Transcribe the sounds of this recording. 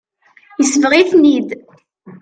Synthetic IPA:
jəsəvʁiθnid̪

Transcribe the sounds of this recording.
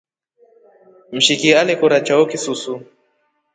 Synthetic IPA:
m̩ʃikialɛkuɾat͡ʃaɔkisusu

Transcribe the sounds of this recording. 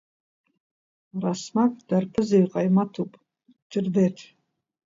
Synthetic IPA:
rasmakʼd̥arpʰɨzejqʼajmatʰupʼ | t͡ʃʼɪrdeʈ͡ʂʰʼ

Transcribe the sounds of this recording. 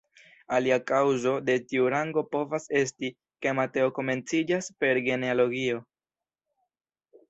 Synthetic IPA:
aliakawzo̞de̞tiuɾaŋɡo̞po̞vase̞s̬ti | ke̞mate̞o̞ko̞me̞nt͡sid͡ʒaspe̞ɾɡe̞nealo̞ɡio̞

